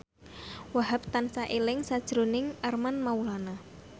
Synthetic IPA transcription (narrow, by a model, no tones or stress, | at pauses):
waɦap̚t̪ansaʔelɪŋsad̥ʒ̥ɾo̤nɪŋʔarmanmaulana